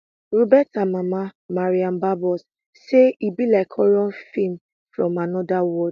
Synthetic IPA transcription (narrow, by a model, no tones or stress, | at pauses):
ɹobɛtamãmãmaɹiãnbabɔs | seibilakʰɔɾɔ̃nfĩm | fɹɔ̃manɔ̃dawɔd